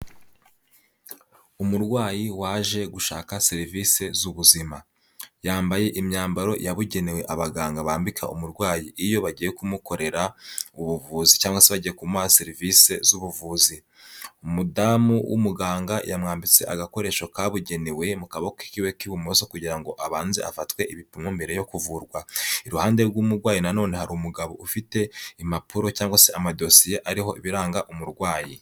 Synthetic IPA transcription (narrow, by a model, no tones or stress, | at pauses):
umuɾɡwaːjiwaːʒe̞ɡuʃaːkase̞ɾiviːse̞zuβuzima | jaːmbaje̞ʔimɲaːmbaɾo̞jaβuɟe̞newe̞ʔaβaɡaːŋɡaβaːmbikʰa̰ṵmuɾɡwaːjiʔːjo̞βaɟiːjekumuko̞ɾe̞ɾauβuvuːzicaːŋɡwaseβaɟije̞kumase̞ɾiviːse̞zuβuvuːzi | umudamuwʔṵmuɡaːŋɡa̰jamŋaːmbit͡se̞̰ʔa̰ɡako̞ɾe̞ːʃo̞kaβuɟe̞niwe̞mukaβaki̥kiwe̞kiβumoso̞kuɟiɾaŋɡo̞ʔaβaːnzḛa̰fatwe̞iβipumumbe̞ɾe̞jo̞kuvuɾɡwaiɾuhaːnde̞ɾɡwuːmuɾɡwaːjinano̞ːne̞haɾimuɡaβo̞̰ʔufite̞imapuɾo̞caːŋɡwaseʔamadosijeʔaɾiɦo̞̰ʔiβiɾaːŋɡaʔumuɾɡwaːji